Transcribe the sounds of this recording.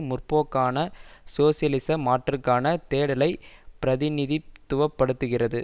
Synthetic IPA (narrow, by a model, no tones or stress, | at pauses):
mʊrpoːkːaːnɐsoːsɪjɐlɪsɐmaːʈrɯkːaːnɐt̪eːɽɐlɐɪpɪɾɐðɪnɪðit̪ːʊʋɐpːɐɽɯt̪ːɯɣɪrɐðɯ